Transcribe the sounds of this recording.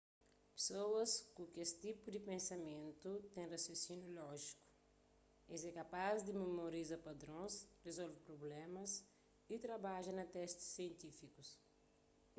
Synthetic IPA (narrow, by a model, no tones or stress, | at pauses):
pe̥sowɐskũkest̪ipud̪ɪpẽnsɐmẽnt̪ut̪ẽrasjosinjulɔʒiku̥ | ḛzɛkapazd̪ɪmemoɾizɐpad̪ɾõsrezɔlvɪpɾoblɛ̃mɐs | it̪ɾɐbaʒɐnɐt̪ɛst̪ɪ̥sːiẽnt̪ifikus